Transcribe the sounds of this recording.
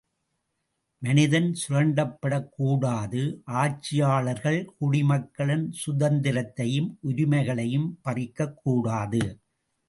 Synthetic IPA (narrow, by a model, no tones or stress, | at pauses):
mɐnɪðɐnsʊɾɐɳɖɐpːɐɽɐkːuːɽaːðɯʔaːt͡ʃːɪjaːɭɐɾɣɐɭkʊɽɪmɐkːɐɭɐnsʊðɐnd̪ɪɾɐt̪ːɐjɯmʔʊɾɪmɐɪɣɐɭɐjɯmpɐrɪkːɐkːuːɽaːðɯ